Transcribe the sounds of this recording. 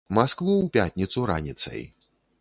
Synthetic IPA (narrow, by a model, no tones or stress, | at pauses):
maskvˠuwpʲat̪ʲnʲit̪suɾa̰nʲit̪sɐ̰j